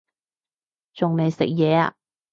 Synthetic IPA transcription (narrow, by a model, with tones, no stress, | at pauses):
t͡ʃʊ˨ŋne˨˧jsɪ̰˨k̚jɛː˨˧a̰˧